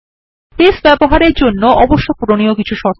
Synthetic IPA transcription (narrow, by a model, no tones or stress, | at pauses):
pesbɛboɦaɾeɾd͡ʑonːoʔɔboʃːopuɾoniokit͡ɕʰuʃɔɾ